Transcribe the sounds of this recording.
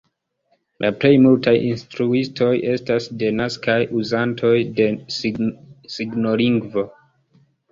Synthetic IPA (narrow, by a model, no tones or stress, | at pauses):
lʔa̰ple̞jmultajinstɾuistʰo̞je̞stasde̞naskʰajʔuzantʰo̞jde̞ | siɡno̞liŋɡvo̞